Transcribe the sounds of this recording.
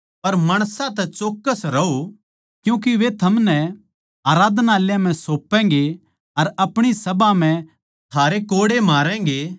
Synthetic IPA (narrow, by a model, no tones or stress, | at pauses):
pɐɾmaːɽ̃sãt̪ɛt͡ʃoːkːəsɾɐo | kjũːk̬iʋet̪ʰɐmnɛ | aːɾaːd̪ʱnaːljãm̤ɛ̃soːpːɛ̃̆ːɡe | ɐɾɐpɽ̃isɐbam̤ɛ̃ | t̪ʰaːɾekoːɽemaːɾɛ̃ːŋɡe